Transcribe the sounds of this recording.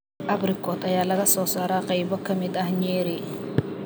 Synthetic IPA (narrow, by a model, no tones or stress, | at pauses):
ʔɐbɾɪkʰɔːt̪ɐjaːlɐɣɐsɔːsaːɾaːqɑjbɔkʰɐmɪd̪ɐhɲɛːɾi